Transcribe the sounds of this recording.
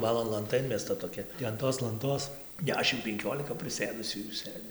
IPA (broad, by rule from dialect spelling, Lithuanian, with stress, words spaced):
ˈbɑːlˠoːn lˠɐnˈtɐ ˈɪnʲmʲɛstɐ toːˈkʲɛ tʲɪ ɐn ˈtoːs lˠɐnˈtoːs ˈdʲæːʃʲɪm pʲɛŋʲˈkʲoːlʲɪkɐ pʲrʲɪˈsʲeːdʊsʲuː juː ˈsɘd͡zʲɪ